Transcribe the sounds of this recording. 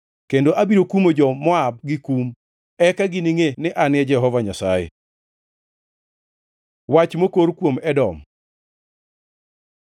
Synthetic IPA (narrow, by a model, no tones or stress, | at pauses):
kendoʔabiɾokumod͡ʒɔmɔab̚ɡɪkum | ɛkaɡiniŋenɪʔanɪɛd͡ʒɛɦɔvaɲasajḛ | wat͡ʃmokoɾkwomɛdɔm